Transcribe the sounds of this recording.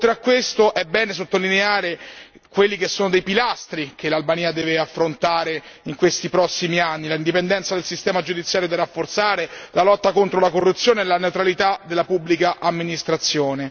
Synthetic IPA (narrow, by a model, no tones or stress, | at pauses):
t̪ɾakːwest̪oʔɛbːɛːnes̬ot̪ːolineaːɾe | kwelːikesːoːnod̪ejpilast̪ɾikelːalbaniːad̪ɛːveafːɾont̪aːɾeiŋkwest̪ipɾɔsːimianːilaind̪ipend̪ɛnt̪sad̪elsist̪ɛːmad͡ʒud̪it̪sːjaːɾjod̪irːafːort̪saːɾelalɔt̪ːakont̪ɾolakorːut̪sːjoːneelaneut̪ɾalit̪ad̪elːapubːlikaʔamːinist̪ɾat̪sːjoːne